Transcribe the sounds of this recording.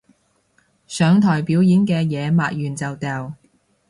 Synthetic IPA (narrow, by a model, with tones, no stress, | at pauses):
sœː˨˧ŋt̪ʰɔː˨˩jpiː˨˥wjiː˨˥nkɛː˧jɛː˨˧maː˨˧t̚jyː˨nt͡sɐ˨wt̪ɛː˨w